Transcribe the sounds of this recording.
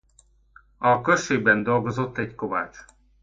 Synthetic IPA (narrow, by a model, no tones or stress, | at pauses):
ɒkøʃeːɡ̚bɛnd̪o̞lɡozo̞t̪ːɛɟko̞va̰ːt͡ʃ